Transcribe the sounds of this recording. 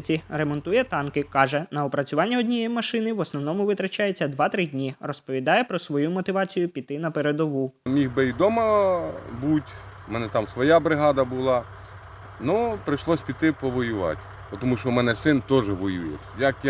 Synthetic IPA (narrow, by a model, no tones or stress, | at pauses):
t͡sʲiɾemɔnt̪ujɛt̪ɑnkɪkɑʒɛnɐɔpɾɐt͡sʲʊʋɑnʲːɐɔdʲnʲijejmɐʃɪnɪʋɔsnɔwnɔmʊʋɪt̪ɾɐt͡ʃɑjet͡sʲːɐd̪ʋɑt̪ɾɪdʲnʲirɔspɔʋʲid̪ɑjɛpɾɔsʋɔjumɔt̪ɪʋɑt͡sʲijʊpʲit̪ɪnɐpeɾed̪ɔʋumʲixbɪid̪ɔmɐ | butʲ | mɛnɛt̪ɑmsʋɔjɑbɾɪɦɑd̪ɐbʊlˠɑ | nɔpɾɪʃlˠɔsʲpʲit̪ɪpɔʋɔjʊʋɑ̰tʲ | pɔt̪ɔmuʃɔmɛnɛsɪnt̪ɔʒɛʋɔjujɛ̰tʲjɐkj